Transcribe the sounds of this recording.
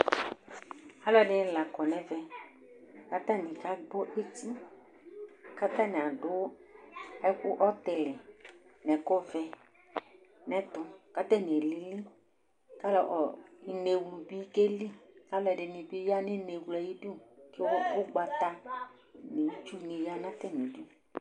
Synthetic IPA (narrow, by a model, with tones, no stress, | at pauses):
a˦lɔ˦ɛ˨dɪ˨n˦la˨kɔ˨nɛ˨vɛ˨ | ka˦t̪a˦nɪ̃˨ka˦ɡ͡bɔ˦ʔe˦ti˦ | ka˦t̪ã˦nɪ̃˨a˨dʊ˦ | ɛ˦kʊ˦ʔɔ˦t̪ɛ˨lɪ˨nɛ˨kɔ˦vɛ˧ | nɛ̃˨˦t̪ʊ˨ka˦t̪ɛ˦˨ne˨lɪ˨li˦ | ka˦lɔ˨ʔɔ˨ne˨wlu˨bi˦ke˦li˦ka˦lɛ˨ɖɪ˨nɪ̃˨bɪ˦ja˦nɪ˦ne˨wla˨ji˦di˦˨kbʊ˦ɡ͡ba˨t̪a˦ | nɪ˨˦t͡ʃu˦ne˨ja˦nã˦t̪ɛ˦nĩ˨di˦u˨